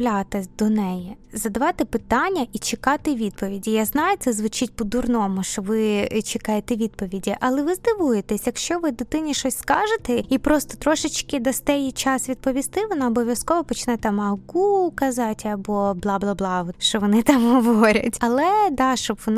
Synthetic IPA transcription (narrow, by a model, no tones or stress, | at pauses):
lʲat̪ɪd̪ɔnɛjɛzɐd̪ɐʋɑt̪ɪpɪt̪ɑnʲːɐʔit͡ʃɪkɑt̪ɪʋʲid̪̚pɔʋʲidʲijaznɑjʊt̪sɛzʋʊt͡ʃɪt̚ʲpɔd̪ʊrnɔmʊʃt͡ʃɔʋɪt͡ʃɪkɑjet̪ɛʋʲid̪̚pɔʋʲidʲiʔɐlˠɛʋɪzd̪ɪʋujet̪ɛsʲjɐkʃt͡ʃɔʋɪd̪ɪt̪ɪnʲiʃt͡ʃɔsʲskɑʒet̪ɛipɾɔst̪ɔ̥t̪ɾɔʃɪt͡ʃkɪd̪ɐst̪ɛjit͡ʃɑsʋʲid̪̚pɔʋʲist̪ɪʋɔnɑɔbɔʋʲjɐskɔʋɔpɔt͡ʃɪnɛt̪ɑmɐɡukɐzɑtʲɐbɔblˠɑblˠɑblˠɑʃt͡ʃɔʋɔnɪt̪ɑmɦɔʋɔɾʲɐ̰tʲɐlˠɛd̪ɑʃt͡ʃɔbʋɔn